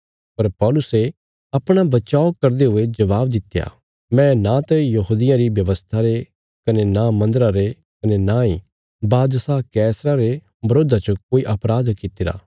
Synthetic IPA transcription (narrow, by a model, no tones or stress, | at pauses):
pɐɾpɔːlʊse | ɐpɽ̃abɐt͡ʃaːokɐɾd̪eɦʊed͡ʒɐʋaːbd̪ɪt̪ːja̰ | mɛ̃nat̪ɐjɐɦuːd̪ɪjãɾibjɐʋəst̪ʰaɾe | kɐnenamɐ̃nd̪əɾaɾe | kɐnenai | baːd̪sakɛːsɾaɾe | bɐɾoːd̪at͡ʃɐkoːiʔɐpɾaːd̪kɪt̪ɪɾa̰ː